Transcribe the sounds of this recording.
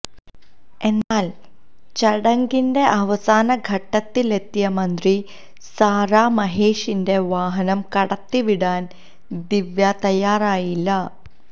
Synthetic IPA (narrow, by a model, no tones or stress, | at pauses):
enːaːl | t͡ʃɐɽɐŋɡinɖe̞ʔɐʋɐsaːnɐɡʱɐʈːɐt̪ːilet̪ːijɐmɐnd̪ɾi | saːɾaːmɐɦeːʂinde̞ʋaːɦɐnɐmkɐɽɐt̪ːiʋiɽaːn | d̪iʋjat̪ɐjaːɾaːjilːɐ